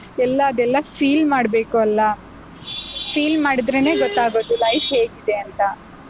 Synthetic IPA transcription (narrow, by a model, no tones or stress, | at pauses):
ɛlːɐːd̪ɛlːɐpʰiːlmaːɽbe̞ːkuɐlːɐ | pʰiːlmaːɽid̪ɾe̞ne̞ːɡɔt̪ːaːɡo̞ːd̪ulɐjfɦe̞ːɡid̪e̞ɐnt̪ɐ